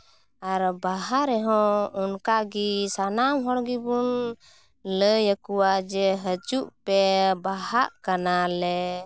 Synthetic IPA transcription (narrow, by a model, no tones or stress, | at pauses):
aɾbaɦaɾɛɦɔ̃ɔnkaɡisanamɦɔɽɡibun | ləjəkuwad͡ʒɛɦət͡ʃuʔpɛbahaʔkanalɛ